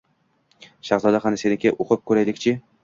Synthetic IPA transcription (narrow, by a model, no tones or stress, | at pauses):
ʃaχzɒd̪aχanɪsenɪkʲʰaʔoqʰɨp̚kʰɵɾajlɪkʲt͡ʃʰɪ